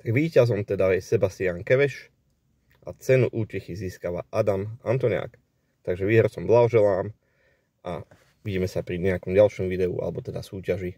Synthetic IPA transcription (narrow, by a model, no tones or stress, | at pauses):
t̪aɡʋiːcazɔmt̪ɛd̪ajɛsɛbast̪ɪaŋkɛʋɛʃ | ʔat͡sɛnuʔuːcɛxiziːskaːʋaʔad̪amant̪ɔɲa̰ːk | t̪aɡʒɛʋiːɦɛɾsɔmblaɦɔʒɛlaːm | ʔa | ʋiɟiːmɛsapɾiɲɛakɔmɟalʃɔmʋid̪ɛṵʔa̰lɛbɔt̪ɛd̪asuːcaʒi